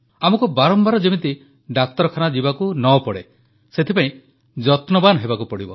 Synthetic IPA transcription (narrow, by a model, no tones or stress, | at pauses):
amɔkubaɾɔmbaɾɔd͡ʒemit̪i | ɖakt̪ɔɾɔkʰanad͡ʒibakunɔpɔɽe | set̪ʰipaĩ | d͡ʒɔt̪nɔbanɦebakupɔɽibɔ